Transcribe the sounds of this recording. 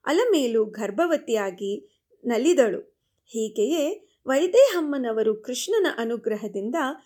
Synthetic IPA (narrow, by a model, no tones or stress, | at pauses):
ɐ̰lɐmeːluɡʱɐɾbʱɐʋɐt̪ijaːɡi | nɐlːid̪ɐɭṵ | hiːɡejeː | ʋɐjd̪eːɦɐmːɐnɐʋɐɾukɾiʂɳɐnɐʔɐnuɡɾɐɦɐd̪ind̪ɐ